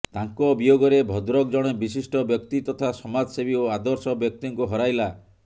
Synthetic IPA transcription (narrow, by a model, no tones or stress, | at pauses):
t̪aŋkɔbijoɡɔɾebʱɔd̪ɾɔkd͡ʒɔɽ̃ebisisʈɔbjɔkt̪it̪ɔt̪ʰasɔmad͡ʒsebioad̪ɔɾsɔbjɔk̚t̪iŋkuɦɔɾajla